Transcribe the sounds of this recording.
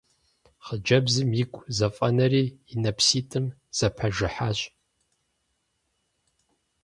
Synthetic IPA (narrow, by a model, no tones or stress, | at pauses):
χəd͡ʒɐbzɨmjikʷʼzɐfʼɐnɐriːinɐpsiːtʼɨmz̥ɐpʰɐʒɨħaːɕʼ